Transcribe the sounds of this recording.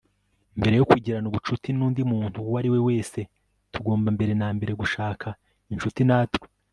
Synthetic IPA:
imbe̞ɾe̞jokwiɟiɾanuβut͡ʃutinuːndimuːn̥huwaɾiwe̞we̞ːse̞ | tuɡo̞ːmbambe̞ɾe̞naːmbe̞ɾe̞ɡuʃaːkʰa | inʃutinaːtwi̥

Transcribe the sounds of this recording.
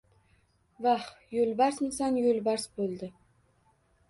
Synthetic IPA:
vah | jɵlˠbaɾsmɪsanjɵlˠbaɾsbolˠd̪ɪ

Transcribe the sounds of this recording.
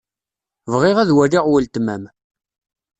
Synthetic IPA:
vʁɪʁæðwæliʁwəlt̪mæm

